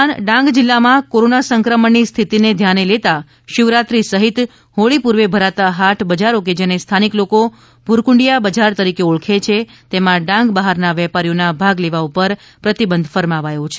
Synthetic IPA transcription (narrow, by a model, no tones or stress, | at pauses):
nɖãŋɡd͡ʒɪlːamãkoɾonasəŋkɾəməɳːist̪ʰit̪ined̪ʱjanelet̪a | ʃɪʋɾat̪ɾisəɦit̪ | hoɭipuɾʋebʱəɾat̪aɦaʈʰbəd͡ʒaɾoked͡ʒenest̪ʰanikloko | bʱuɾkũɳɖijabəd͡ʒaɾt̪əɾikeuɭkʰet͡ʃʰe | t̪emãɖãŋɡbaɦaɾnaʋɛpaɾjonabʱaɡleʋaupəɾ | pɾət̪ibənd̪ʱfəɾmaʋajõt͡ʃʰe